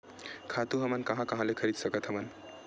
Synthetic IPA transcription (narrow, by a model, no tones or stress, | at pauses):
kʰat̪uɦʌmənkʌɦãkʌɦãlekʰʌɾid̪sʌkʌt̪ɦʌmən